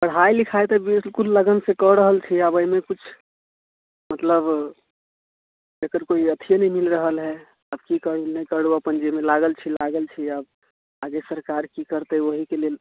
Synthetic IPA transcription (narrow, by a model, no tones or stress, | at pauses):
pəɽ̤ɦailikʰaet̪ɔbslkulːəɡənsekɔɾəɦəlt͡ʃʰiabəimekut͡ʃʰ | mət̪ləb | d͡ʒekəɾkoiət̪ʰijenəĩmilɾəɦəlɦɛ | əb̚kikəɽunəikəɽuəpənd͡ʒemelaɡəlt͡ʃʰilaɡəlt͡ʃʰiəb | aɡesəɾkaɾkikəɾt̪eʋəɦikelel